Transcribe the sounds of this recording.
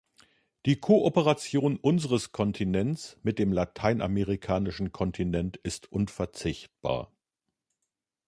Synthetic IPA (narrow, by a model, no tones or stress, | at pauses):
d̥iːkʰoːʔopəʁat͡sjoːnʔʊnzəʁəskʰɔntʰinɛnt͡smɪt̚d̥eːmlatʰaɪnʔa̰meʁikʰaːnɪʃn̩kʰɔntʰinɛntɪstʔʊnfɛɐt͡sɪçt̚b̥a̰ːɐ